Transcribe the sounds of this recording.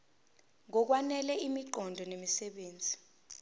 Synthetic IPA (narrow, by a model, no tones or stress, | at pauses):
ŋɔk̬wanɛlɛimiǃʱɔndʱɔnemisɛɓeːnd͡zʱi